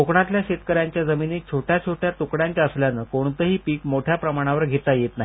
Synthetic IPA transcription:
okɳat̪ljaɕet̪kəɾjaɲt͡ɕjad͡zəminiːt͡ɕʰoʈʰjat͡ɕʰoʈʰjat̪ukɽjaɲt͡ɕjaəsljanəkoɳ̃t̪əɦiːpiːkmoʈʰjapɾəmaɽ̃aʋəɾɡʱet̪ajet̪naɦi

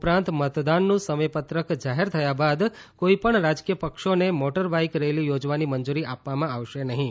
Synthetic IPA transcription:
pɾãnt̪mət̪d̪anːũsəməjpət̪ɾəkd͡ʒaɦeɾt̪ʰəjabad̪koipəɳɾad͡ʒkijəpəkʃonemoʈəɾbaikɾelijod͡ʒʋanimənd͡ʒuɾiʔapʋamãaʋʃenəɦĩ

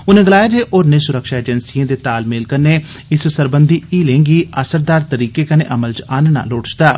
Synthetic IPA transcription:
ʊnẽːɡəlaːjaːd͡ʒeːʔoːɾnẽːsʊɾəkʃaːeːd͡ʒənsijãːd̪eːt̪aːlmeːlkəɾneː | ɪssəɾbənd̪ʱiːiːlẽːŋɡiːʔəsəɾd̪aːɾt̪əɾiːkeːkənḛ̃ːʔəməlt͡ʃaːnna̰ːloːʈt͡ʃd̪aː

